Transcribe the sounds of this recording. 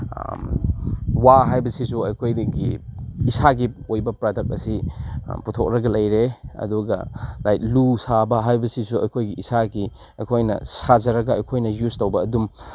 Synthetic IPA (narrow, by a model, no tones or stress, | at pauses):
waɦajbɐsisuɐjkʰojɡḭisaɡiojbɐpɾadɐk̚ɐsiputʰok̚ɾɐɡɐlɐjɾeɐ̰duɡɐ̰lajt̚lusabɐɦajbɐsisuɐ̰jkʰojɡiʔisaɡi | ɐjkʰojnɐ̰sazɐɾɐɡɐɐjkʰojnɐjuztowbɐːdum